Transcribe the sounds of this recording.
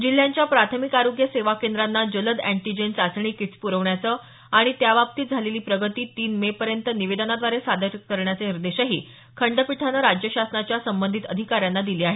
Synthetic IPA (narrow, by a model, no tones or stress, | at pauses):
d͡ʑil̤ːjaɲt͡ɕjapɾat̪ʰəmikaɾoɡjəseʋakend̪ɾanːad͡ʑələd̪æɳʈid͡ʑensat͡sɳ̃iːkiʈt͡spuɾəʋɳjat͡sə | aɽ̃it̪jaʋap̚t̪iːd͡zʱaleliːpɾəɡət̪iːt̪iːnmepəɾjənt̪əniʋed̪ənad̪ʋaɾesad̪ʱəɾkəɾɳjat͡seniɾd̪eɕaɦḭː | kʰəɳɖəpiʈʰanəɾad͡ʑjəɕasnat͡ɕjasəmbənd̪ʱit̪əd̪ʱikaɾjanːad̪iliːaɦe